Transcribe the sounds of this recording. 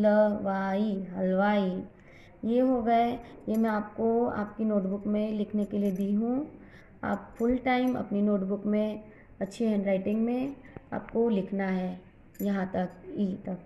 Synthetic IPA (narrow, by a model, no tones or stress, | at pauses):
ləʋaːiɦɐlʋaːi | jeːɦoɡɐejemɛ̃aːp̚koa̰ːpkinoːʈbʊkmẽlɪkʰnekelied̪iɦũ | a̰ːpfʊlʈaːɪmɐ̰pninoːʈbʊkmẽ | ɐtːʃʰeɦɛ̃ːɳɖɾaːɪʈɪ̃ŋɡmẽa̰ːp̚kolɪkʰnaɦɛː | jɐɦãt̪ɐkit̪ɐk